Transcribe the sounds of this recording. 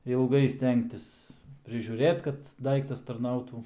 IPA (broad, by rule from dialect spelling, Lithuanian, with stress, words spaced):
ɪlˠˈɡɐɪ ˈsʲtʲɛŋktʲɪs pʲrʲɪʒʲuːˈrʲeːt kɐt ˈdɐɪktɐs tɐrˈnɐʊtuː